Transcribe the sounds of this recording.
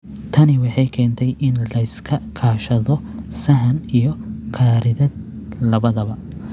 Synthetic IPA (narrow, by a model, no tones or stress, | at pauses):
t̪ʰɐnɪwɑħɑjkʰɛːnt̪ʰɛjʔɪnlɐɪskʰɐkʰaːʃɐðɔsɐɦɐnijɔkʰaːɾɪðɐd̪̚ | lɐβɐðɐβɐ